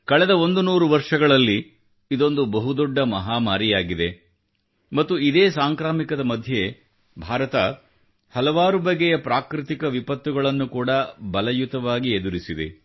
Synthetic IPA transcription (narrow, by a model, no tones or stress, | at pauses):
kɐɭɛd̪ɐo̞nd̪unuːɾuʋɐɾʂɐɡɐɭɐlːiː | d̪o̞nd̪ubɐɦud̪ɔɖːɐmɐɦaːmaːɾijaːɡid̪e̞ | mɐt̪ːuid̪eːsaːŋkɾaːmikɐd̪ɐmɐd̪ʱje | bʱaːɾɐt̪ɐ | hɐlɐʋaːɾubɐɡːɛjɐpɾaːkɾit̪ikɐʋipɐt̪ːuɡɐɭɐnːukuːɽɐbɐlɐjut̪ɐʋaːɡied̪uɾisid̪ḛ